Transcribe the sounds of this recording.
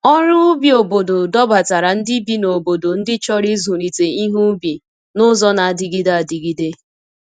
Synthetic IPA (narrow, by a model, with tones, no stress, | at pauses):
ɔ˦ɾʊ˦ʊ˦bi˨o˨bo˨do˨dɔ˦ba˨ta˨ɾa˨n̩˦dɪ˦bi˦no˨bo˨do˨n̩˦dɪ˦t͡ʃɔ˦ɾi˦zu˨ɾi˨te˨i˦ɦu˦bi˨ | nʊ˦zɔ˦na˨a˨dɪ˨ɡi˦da˨di˨ɡi˨de˦